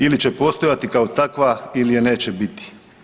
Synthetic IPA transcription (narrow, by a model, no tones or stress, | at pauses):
ilit͡ɕe̞po̞st̪ojat̪ikaot̪akʋailijene̞ːt͡ɕebit̪i̥